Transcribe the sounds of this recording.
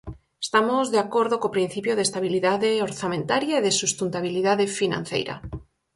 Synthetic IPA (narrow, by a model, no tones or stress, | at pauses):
est̪amozðeakoɾðokopɾin̟θipjoðest̪aβ̞iliðaðeoɾθamẽnt̪aɾjaeðesust̪ent̪aβ̞iliðaðefinã̰n̟θḛjɾa̰